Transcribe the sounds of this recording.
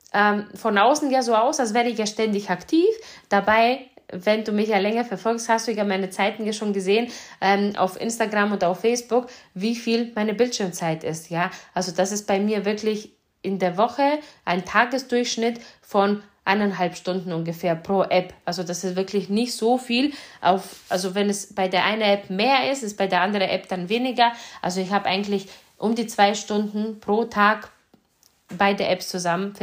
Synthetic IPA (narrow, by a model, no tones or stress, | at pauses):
ʔɛːmfɔnʔaʊsn̩jaːzoːaʊsals̬v̥ɛːɐʁəɪçjaːʃtɛndɪçaktʰiːfd̥abaɪvɛnduːmɪçjaːlɛŋɐfɛɐfɔlksthastd̥uːjaːmaɪnət͡saɪtn̩jaːʃoːnɡəzeːənʔɛːmʔa̰ʊfʔɪ̰nstaɡʁamondɐaʊfɛɪsb̥ʊkviːfiːlmaɪnəbɪltʃɪɐmt͡saɪtɪstjaːʔalzod̥asɪst̚b̥aɪmiːɐvɪɐklɪç | ʔɪndeːɐvɔxəʔaɪntʰaːɡəsd̥ʊɐçʃnɪtfɔnʔa̰nanɦalpʃtʊndn̩ʊnɡəfeːɐpʁ̥oːʔɛpʔalzodasɪstv̥ɪɐklɪçnɪçtz̥oːfiːlʔa̰ʊfʔalzovɛnɛsb̥aɪdeːɐʔaɪnənɛpmeːɐɪstɪst̚b̥aɪdeːɐʔandəʁənʔɛpd̥anveːnɪɡɐʔa̰lzoɪçhaːbəʔa̰ɪɡŋ̩tlɪç | ʔʊmdiːt͡sv̥aɪʃtʊndn̩pʁ̥oːtʰaːk | b̥aɪdəʔɛpst͡suzamənf